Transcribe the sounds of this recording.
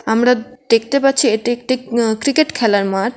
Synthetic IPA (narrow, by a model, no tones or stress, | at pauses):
amɾad̪̥ek̚ʰt̪epatːɕʰieʈiek̚ʈikɾikeʈkʰɛlaɾmaɾ